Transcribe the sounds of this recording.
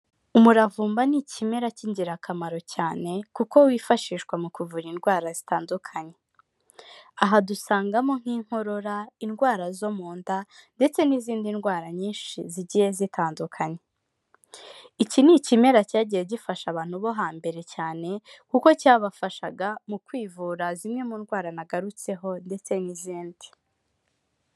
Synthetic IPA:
umuɾavuːmbanicime̞ɾaciɲɟiɾakʰamaɾo̞caːne̞kuko̞wifaʃiːʃɡwamukuvuɾinɡwaːɾazitaːndukʰaɲe̞ | aɦadusaːŋɡamo̞ŋ̥iːŋ̥ho̞ɾo̞ɾainɡwaːɾazo̞muːndande̞t͡se̞niziːndinɡwaːɾaɲiːnʃiziɟije̞zitʰaːndukʰaɲe̞ | icinicime̞ɾacaːɟijeɟifaʃaβaːn̥huβo̞ɦaːmbe̞ɾe̞caːne̞kuko̞caːβafaʃaɡamukwiːvuːɾazimŋe̞muːnɡwaːɾanaɡaɾut͡se̞ɦo̞nde̞t͡se̞niziːndi̥

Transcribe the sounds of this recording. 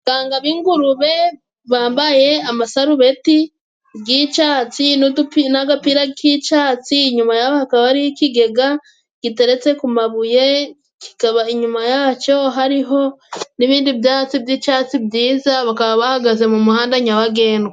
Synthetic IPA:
ɡ̥aːŋɡaβiːŋɡuɾuβe̞ | βaːmbaje̞amasaɾuβe̞ti | ɡit͡ʃaːt͡sinudupinaɡapiɾakit͡ʃaːt͡siːɲumajahohakaβaɾiikiɡe̞ɡa | ɡ̥ite̞ɾe̞t͡se̞kumaβuje̞ | ki̥kaβaiɲumajat͡ʃo̞ɦaɾiɦo̞niβiːndibdaːt͡sibjit͡ʃat͡sibjiːzaβakaβaβahaɡaze̞mumuhaːndaɲawaɡe̞ːndwe

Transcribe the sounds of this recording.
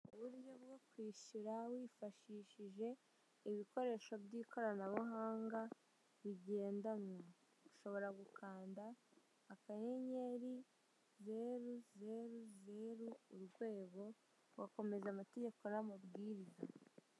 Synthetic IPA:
uβuɾɟo̞bɡo̞kwiːʃuɾawiːfaʃiːʃiʒe̞ | iβiko̞ɾe̞ːʃo̞bɟiːkʰo̞ɾanaβaɦaːŋɡa | βiɟe̞ːndanŋa | ɡuʃo̞βo̞ɾaɡukʰaːndaː | kaje̞ɲe̞ɾi | ze̞ɾuze̞ɾuze̞ɾuuɾɡwe̞ːɡo̞ | wako̞me̞zamate̞ɟe̞ko̞namubɡiːɾiza

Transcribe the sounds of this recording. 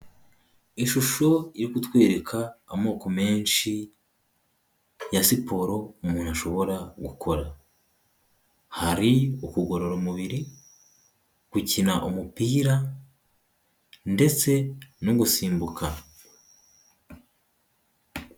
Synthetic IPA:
iʃuʃo̞iɾikutwe̞ːɾe̞kʰaːmo̞ːko̞me̞ːnʃi | jasipʰo̞ːɾo̞umuːnu̥haʃo̞βo̞ɾaɡukʰo̞ɾa | haɾiukuɡo̞ɾo̞ɾomuβiɾi | kucinaʔumupiːɾa | nde̞t͡se̞noɡusiːmbukʰa

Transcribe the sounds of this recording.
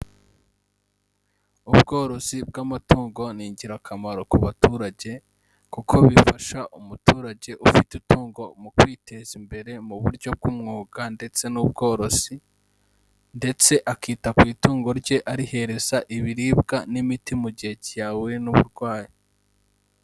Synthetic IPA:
ubɡo̞ːɾo̞zib̚ɡamatoːŋɡo̞niːɲɟiɾakʰamaɾo̞kuβatuːɾaɟe̞ | kukʰo̞βifaʃaʔumutuːɾaɟe̞ʔufitutuːŋɡo̞mukwiːte̞zimbe̞ɾe̞muβuɾɟo̞b̚ɡumŋoːɡ̥ande̞t͡se̞nub̚ɡo̞ːɾo̞z̥i | nde̞t͡se̞ʔakiːtakwiːtuːŋɡo̞ɾɟe̞ʔaɾihe̞ɾe̞zaʔiβiɾiːbɡanimitimuɟihe̞cijawuinuβṵɾɡwaːji

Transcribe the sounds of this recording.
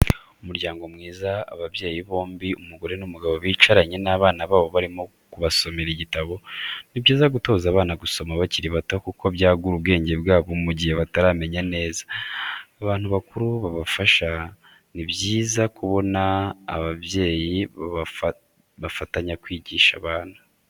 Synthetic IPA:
umuɾɟaːŋɡo̞mŋiːzaa̰βaβje̞ːjiβo̞ːmbiumuɡo̞ɾenumuɡaβo̞βiːt͡ʃaɾaɲe̞naβaːnaβaːβo̞βaɾimo̞ | kuβaso̞meɾiɟitaβo̞nibjiːzaɡuto̞ːzaːβaːnaɡuso̞maβaciɾiβatakuko̞βjaːɡuɾubɡe̞ːɲɟe̞bɡaːβomuɟiheβataɾaːme̞ɲane̞ːzḁː | βaːn̥huβakuɾuβaβafaʃa | nibjiːzakuβo̞na̰ːβaβje̞ːjiβaβaf | βafataɲakwiːɟiːʃaβaːna

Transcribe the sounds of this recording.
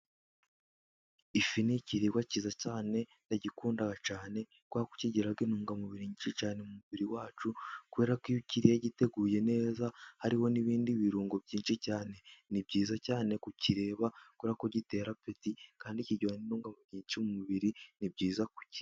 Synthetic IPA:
ifiniciɾiɡwaciːzacaːne̞ndaɟikuːndaɡat͡ʃaːne̞ | kwaku̥ciɟiɾaɡinuːŋɡamuβiɾiɲit͡ʃit͡ʃaːnemumuβiɾiwaːt͡ʃukuβe̞ːɾakijuciɾijaɟite̞ɡuːje̞ne̞ːzahaɾiho̞niβiːndiβiɾuːŋɡobɟiːnʃicaːne̞nib̚ɟiːzacaːne̞kuciɾe̞ːβakuwβeɾakoɟite̞ːɾapetikaːndiciɟoaninuːŋɡamuɾiːɲt͡ʃimumuβiɾinibɟiːzaku̥ci̥

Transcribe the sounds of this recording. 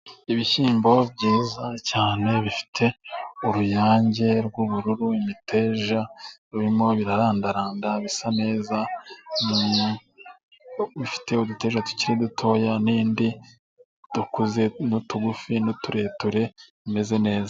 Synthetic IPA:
iβiçiːmbo̞bɟiːzacaːne̞βifi̥tʰe̞uɾujaːɲɟe̞ɾɡuβuɾuɾuimitʰe̞ːʒaɾuɾimo̞βiɾaɾaːndaɾaːndaβisane̞ːzani | βifi̥te̞udute̞ːʒatu̥ciɾidutʰo̞ːjaniːndi | d̥ukuze̞nutuɡufinotuɾe̞ːtuɾe̞βime̞ze̞ne̞ːza

